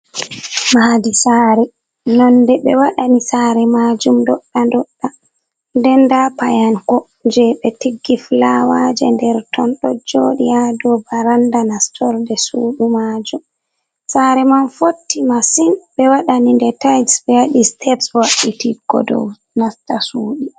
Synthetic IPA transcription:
maadisaːɾɛ | nɔndɛɓɛwaɗanisaɾɛmad͡ʒumdɔɗːandɔɗːa | ndɛndapajankɔ | ɲd͡ʒɛɓɛtiɡːiflawad͡ʒɛ̰ndɛɾtʰɔnɗɔd͡ʒoɗijadɔbaɾandanastʰɔɾdɛsuːɗumad͡ʒum | saɾɛmanfotːimasinɓɛwaɗanindɛtajdsbɛjaɗistʰɛpswaɗitiɡɔ̰dɔ̰w | nastasuːɗi

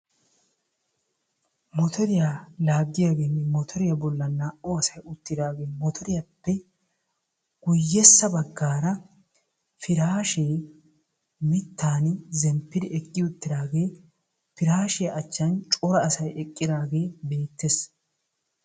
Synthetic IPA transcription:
mɔt̪ʰɔɾɪjalaːɡːɪjaːɡe̞ːnmɔt̪ʰɔɾɪjɐbɔlːɐnːaːʔɔɐsɐjʊt̪ːɪd̪aːɡe̞ːmɔt̪ʰɔɾɪjɐpːɛ | ɡ̥ʊjːɛsːɐbɐɡːaːɾɐ | fɪɾaːʃeː | mɪt̪ːaːnzɛmpːɪd̪ɪɛkʼːɪʊt̪ːɪd̪aːɡe̞ː | fɪɾaːʃɪjɐʔɐt͡ʃːɐnt͡ʃʼɔɾɐːsɐjɛkʼːɪd̪aːɡe̞ːbe̞ːt̪ːes

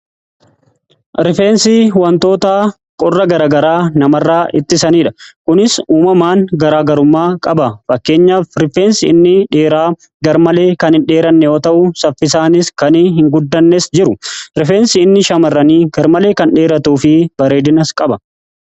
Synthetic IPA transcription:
ɾɪfe̞ːnsɪwɐnt̪o̞ːt̪aː | kʼɔrːɐɡɐɾaːɡɐɾaːnɐmɐrːaːʔɪt̪ːɪsɐniːᶑɐ̥kʊnɪsuːmɐmaːŋɡɐɾaːɡɐɾʊmːaːkʼɐbɐfɐkːe̞ːɲːaːfɾɪfe̞ːnsɪɪnːɪᶑeːɾaː | ɡɐɾmɐle̞ːkɐnhɪnᶑe̞ːɾɐnːɛjoːt̪ɐʔʊsɐfːɪsaːnɪskɐnɪɦɪŋɡʊd̪ːɐnːesd͡ʒɪɾʊɾɪfeːnsɪɪnːɪʃɐmɐrːɐniːɡɐɾmɐle̞ːkɐnᶑeːɾɐt̪uːfɪb̥ɐɾe̞ːd̪ɪnɐskʼɐbɐ

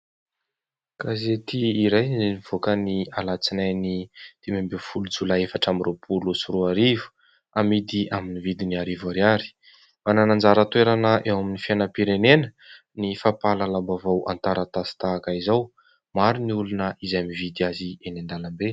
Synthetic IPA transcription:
kazet̪iːɾajizeniv̥okənialat͡sinajnit̪imambefulud͡zulaefaʈ͡ʂaminrʔopʰulusuɾuaɾivu̥ | amid̪iaminivid̪iniaɾivaɾiaɾi̥ | mananand͡zaɾət̪weɾanəʔewaminifianəpiɾenenə | nifapalalambavawa̰nt̪aɾət̪asi̥t̪aːkaizaw | maɾiniulunəizajmivid̪iazienand̪alambe

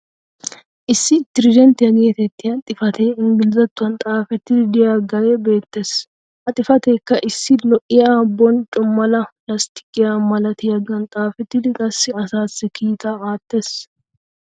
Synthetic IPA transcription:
ʔɪsːɪt̪ɪɾɪd͡ʒɛnt̪ɪjɐɡeːt̪ɛt̪ːɪjɐt̪ʼɪfɐt̪ʰeɪŋɡɪlzɐt̪ːʊɐnt̪ʼaːfɛt̪ːɪd̪ɪd̪ɪjaɡajɛbe̞ːt̪ːeːs | ʔɐt̪ʼɪfɐt̪eːkːɐʔɪsːɪlɔʔɪjabːɔnt͡ʃʼʊmːɐlɐplɐst̪ɪ̥kʼːɪjamɐlɐt̪ɪjɐɡɐnt̪ʼaːfɛt̪ːɪd̪ɪkʼɐsːɪɐsaːsːɪkʰiːt̪aaːt̪ːe̞ːs

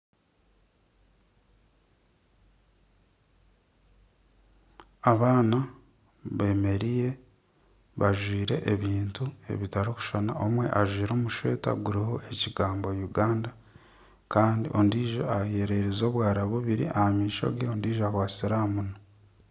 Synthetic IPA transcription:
aβaːna | βe̞ːme̞ɾiːɾe̞ | βaʒwiːɾe̞̰ʔeβiːntue̞̰βitaɾoku̥ʃana̰omwe̞̰ʔaʒwiːɾo̞ːmuʃwe̞̰ːta̰ɡuɾiho̞ʔeciɡaːmbojuɡaːnda | kaːndḭʔo̞̰ndiːʒoajeɾe̞ɾizo̞ːβwaːɾaβuβiɾḭʔahamiːʃo̞̰ɡeondiːʒoakwaːsiɾaːmuno

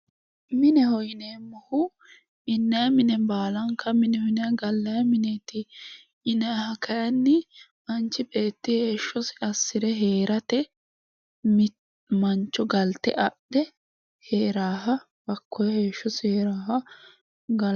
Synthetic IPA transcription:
mɪnɛhɔjneːmːɐhʊ | ɪnːɐjɐmɪnɛbaːlɐŋkːɐmɪnɛhɔjnɛjɐɡɐlːɐjɐmɪneːt̪ɪː | nɐjhɐkɐjɐnːɪ | mɐnt͡ʃːɪbe̞ːt̪ːɪhe̞ːʃːɔsɪɐsːɪɾɛɦeːɾʔɐt̪ɛ | mɪ | mɐnt͡ʃːɔɡɐlt̪ɛ̰ʔɐʔd̪̥ɛ | heːɾaːɦɐ | bɐkːɔjɐhe̞ːʃːɔsɪheːɾaːɦɐ | ɡɐ

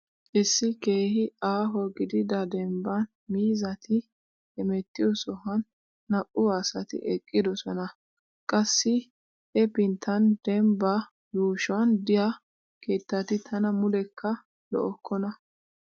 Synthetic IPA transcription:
ʔɪsːɪke̞ːhɪaːɦɔɡɪd̪ɪd̪ɐd̪ɛmbɐn | miːzɐt̪ɪ | hɛmɛt̪ːɪjɔsɔhɐnː | ɐʔʊaːsɐt̪ɪ̰ʔɛkʼːɪd̪ɔsɔnɐ | kʼɐsːɪ | ʔɛpɪnt̪ʰːɐnd̪̥ɛmbɐ | juːʃʊwɐnd̪ɪja | ke̞ːt̪ːɐt̪ɪt̪ʰɐnɐmʊlɛkʰːɐ | lɔ̰ʔɔkːɔnɐ

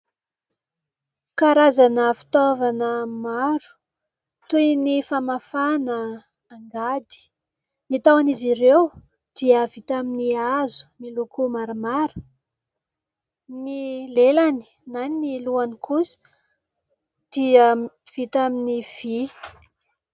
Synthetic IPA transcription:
kaɾazanəfi̥t̪ovanəmaɾu̥ | t̪uinifamafanəː | ŋɡad̪i̥ | nit̪awaniziɾew | d̪̥iəvit̪aminiazu̥milukumaɾamaɾu̥ | nilelani̥ | naniniluanikʰusi̥ | d̪̥ia | v̥it̪aminiv̥i

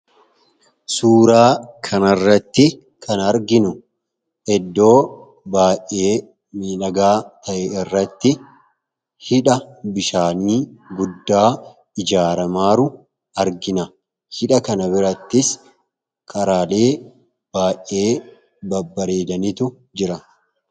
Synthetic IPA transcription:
suːɾaːkʰɐnɐrːɐt̪ːɪ | kʰɐnɐɾɡɪnʊ | ʔɛd̪ːo̞ː | baːʔe̞ː | miːlɐɡaːt̪ʰɐʔɛɪrːɐt̪ːɪ | hɪᶑɐbɪʃaːniːɡʊd̪ːaː | ɪd͡ʒaːɾɐmaːɾʊ | ɐɾɡɪnɐ | hɪᶑɐkɐnɐbɪɾɐt̪ːɪs | kʰɐɾaːle̞ː | b̥aːʔe̞ː | bɐbːɐɾeːd̪ɐnɪt̪ʊ | d͡ʒɪɾɐ

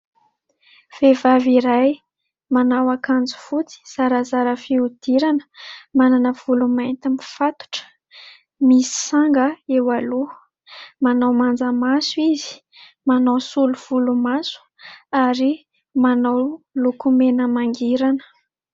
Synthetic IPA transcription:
v̥evaviɾaj | manawakand͡zu̥fut͡si̥z̥aɾazaɾəfiud̪̥iɾanə̥mananəv̥ulumant̪imifat̪u̥ʈ͡ʂə̥ | misi̥saŋɡəewalu | manawmand͡zamasuizi̥ | manawsuluv̥ulumasu̥ | aɾi | manawlukumenəmaŋɡiɾanə̥

